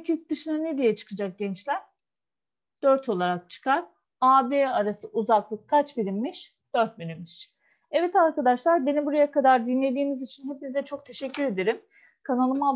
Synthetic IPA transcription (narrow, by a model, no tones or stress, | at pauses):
ecʰycd̪ɯʃɯnaned̪ijɛt͡ʃʰɯ̥kʰɯd͡ʒak̚ɟɛnt͡ʃlʲæɾ̥ | d̪̥øɾt̪ʰo̞lˠaɾak̚t͡ʃʰɯ̥kʰaɾ | aːbeaɾasɯʔuzaklˠɯkʰːat͡ʃbiɾimːiʃ | d̪̥øɾt̪̚bynymiʃ | ɛvɛt̪aɾkad̪aʃlˠaɾbe̞nibuɾajakʰad̪aɾd̪inlʲe̞d̪iːnizit͡ʃʰinɦepinizɛt͡ʃʰo̞k̚t̪ʰe̞ʃɛcːyɾe̞d̪eɾim | kʰanalˠɯma